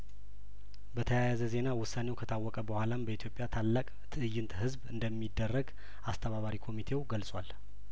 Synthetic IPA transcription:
bət̪ʰəjajazəze̞nawʊsːanewkʰət̪ʰawːɔkʼəbəhʷalanbəit̪jo̞pʼjat̪ʰalːakʼt̪ʰɨʔɨjːɨnt̪ʰhɨzbɨnd̪əmːid̪ːərːəɡ | ast̪ʰəβaβaɾikʰo̞mit̪ʰe̞wɡəlsʼwal

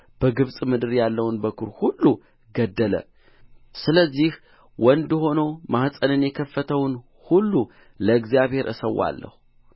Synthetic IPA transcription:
b̥əɡɨβsʼmɨd̪ɨɾjalːəwnbəkʰuɾhulːu | ɡəd̪ːələ̰ | sɨləzːih | wɔnd̪ɨɦo̞no̞mahsʼənɨnjɛkʰəfːət̪ʰəwn | hulːu | ləɨɡzijaβhe̞ɾʔɨ̰səwːa̰lːə̰hu

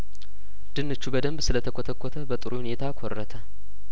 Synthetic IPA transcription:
d̪̥ɨnːɨt͡ʃːubəd̪əmbsɨlət̪ʰəkʷʰot̪ʰəkʰʷːot̪ʰəbət̪ʼɨɾuhune̞t̪ʰakʰorːət̪ʰə

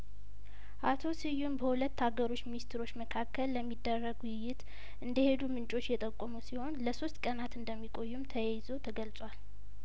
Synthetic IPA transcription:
ʔat̪ʰo̞sɨjːumbəhulət̪ːaɡəɾo̞t͡ʃːminist̪ɾo̞t͡ʃːməkʰakːəlːəmːid̪ːərːəɡwɪjːɪt̪ | ʔɨnd̪əhe̞d̪umɨnt͡ʃʼo̞t͡ʃːjɛt̪ʼəkʼːomusiho̞nləso̞st̪kʼənat̪ɨnd̪əmːikʼo̞jːumt̪ʰəjɛjzo̞t̪ʰəɡəlt͡sʼwal

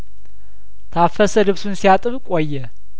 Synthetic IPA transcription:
t̪ʰafːəsəlɨβsunsijat̪ʼɨβkʼojːɛ

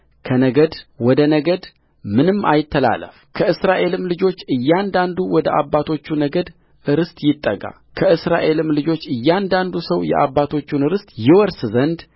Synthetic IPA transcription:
kʰənəɡəd̪wɔd̪ənəɡəd̪ | mɨnɨmːajɪt̪ʰːəla̰lə̰fkʰəʔɨsɾaʔe̞lɨmlɨd͡ʒo̞t͡ʃːɨjːand̪and̪uwɔd̪əʔaβːat̪ʰo̞t͡ʃːunəɡəd̪ | ɨɾɨst̪ʼjɪt̪ʼːəɡʼa̰ | kʰəʔɨsɾaʔe̞lɨmlɨd͡ʒo̞t͡ʃːɨjːand̪and̪usəwjɛ̰ʔa̰βːat̪ʰo̞t͡ʃːunɨɾɨst̪ʼjɪwɔɾszənd̪

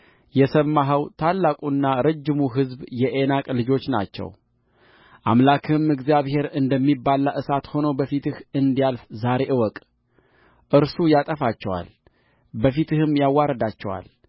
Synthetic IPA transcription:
jɛsəmːaɦəwt̪ʰalːakʼunːaɾəd͡ʒːɪmuɦɨzbjɛʔenakʼlɨd͡ʒo̞t͡ʃːna̰t͡ʃːɛ̰w | ʔa̰mlakʰɨmɨɡzijaβhe̞ɾɨnd̪əmːibːalːaʔɨsat̪ho̞nowbəfit̪ɨhɨnd̪ijalfzaɾe̞ʔɨwɔkʼ | ʔɨɾsujat̪ʼəfat͡ʃːɛwa̰l | bəfit̪ɨhɨmjawːaɾəd̪at͡ʃːɛwa̰l

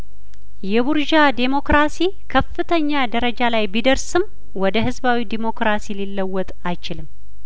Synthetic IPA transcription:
jɛbuɾʒad̪emo̞kɾasi | kʰəfːɨt̪ʰəɲːad̪əɾəd͡ʒalajbid̪əɾsɨm | wɔd̪əɦɨzbawid̪emo̞kɾasililːəwːɔt̪ʼajt͡ʃɪlɨm

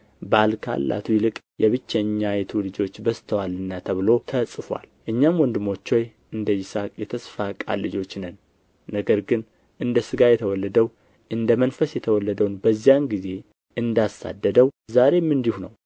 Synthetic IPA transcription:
balkʰa̰lːa̰t̪ʰujɪlɨkʼ | jʔɛβɨt͡ʃːɛɲːajɛt̪ʰulɨd͡ʒo̞t͡ʃːbəst̪ʰəwalɨnːat̪ʰəβɨlo̞t̪ʰəsʼɨfa̰lʔɨɲːamwɔnd̪ɨmo̞t͡ʃːo̞j | ʔɨnd̪əjɪsakʼjɛt̪ʰəsfakʼa̰lːɨd͡ʒo̞t͡ʃːnɨnː | əɡəɾɡɨn | ʔɨnd̪əsɨɡajɛt̪ʰəwɔlːəd̪əw | ʔɨnd̪əmənfəsjɛt̪ʰəwɔlːəd̪əwnbəzːijanɡize̞ | ʔɨnd̪asːa̰d̪ːəd̪əwzaɾe̞mɨnd̪ihunəw

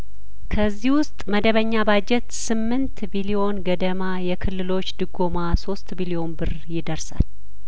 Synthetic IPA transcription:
kʰəzːihwʊst̪ʼməd̪əβəɲːabad͡ʒɛt̪sɨmːɨnt̪bilio̞nɡəd̪əmajɛkʰɨlːɨlo̞t͡ʃːd̪ɨɡo̞maso̞st̪bilio̞nbɨr | jɪd̪əɾsa̰l

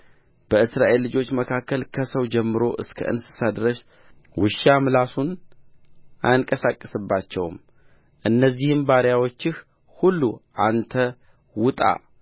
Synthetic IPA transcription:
b̥əɨsɾaʔe̞lːɨd͡ʒo̞t͡ʃːməkʰakːəlkʰəsəwd͡ʒɛmːɨɾo̞ʔɨ̰skʰə̰ʔɨ̰nsɨ̥sad̪ɾəʃ | wɨʃːamɨlasun | ʔajŋkʼəsakʼːəsɨbːat͡ʃːɛ̰wm | ʔɨnːəzːihɨmbaɾjawo̞t͡ʃːɪh | hulːuʔant̪ʰə | wʊt̪ʼa̰

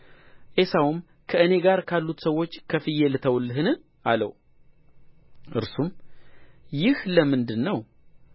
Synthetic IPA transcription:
ʔe̞sawum | kʰəɨne̞ɡaɾkʰalːut̪səwːo̞t͡ʃːkʰəfɨjelɨt̪ʰəwlːɨɦɨnɨ | ʔalə̰w | ʔɨ̰ɾsum | jɪhləmɨnd̪ɨnːəw

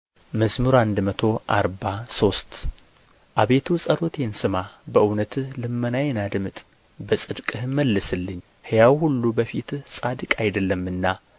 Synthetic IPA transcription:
məsmɨɾand̪mət̪ʰo̞ʔa̰ɾbaso̞st̪ | ʔaβe̞t̪ʰusʼəɾo̞t̪ʰe̞nsɨmabəʔɨwnət̪lɨmːənajɛnad̪mɨt̪ʼ | bəsʼɨd̪kʼɨhməlːɨsɨlːɨɲː | hɨjawhulːubəfit̪sʼad̪ɨkʼajd̪əlːəmːɨnːa

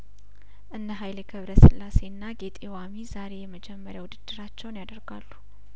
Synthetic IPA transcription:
ʔɨnːəɦajlɛɡʰəβɾəsɨlːase̞nːaɡet̪ʼewamizaɾe̞jɛməd͡ʒɛmːəɾjawud̪ɨd̪ːɨɾat͡ʃːɛwnjad̪əɾɡalːu

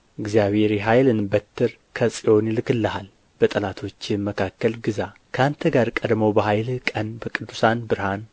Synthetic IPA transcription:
ɨɡzijaβeɾiɦajlɨnbət̪ʰːɨɾ | kʰɐsʼijʔo̞njɪlɨkːɨlːɐɦal | b̥ət̪ʼɐlat̪ʰo̞t͡ʃːɪməkʰakːəlɡɨzakʰɐant̪ʰəɡaɾkʼɐd̪mowbəɦajlkʼɐnbəkʼɨd̪ːusanbɨɾhan

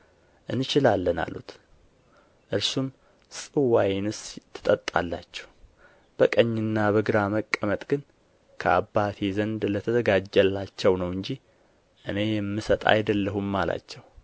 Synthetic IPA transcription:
ʔɨnːɨt͡ʃɪlalːəna̰lut̪ | ʔɨɾsum | sʼɨwajnɨst̪ʰːɨ̥t̪ʼət̪ʼːa̰lːa̰t͡ʃːɛ̥w | b̥əkʼəɲːɨnːaβəɡɨɾaməkʼːəmət̪ʼɡɨn | kʰəa̰bːat̪ʰezənd̪lət̪ʰəzəɡad͡ʒːɛlːat͡ʃːɛwnəwɨɲd͡ʒi | ʔɨne̞jɛmːɨsət̪ʼa̰jd̪əlːəɦumːala̰t͡ʃːɛw

